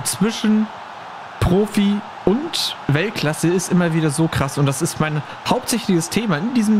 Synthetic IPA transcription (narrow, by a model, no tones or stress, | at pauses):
t͡sv̥ɪʃn̩ | pʁ̥oːfi | ʔʊntvɛlt̚kʰl̥asəɪstʔɪmɐviːdɐzoːkʁ̥asʊnt̚d̥asɪstmaɪn | haʊptz̥ɛçlɪçəstʰeːmaɪndiːzəm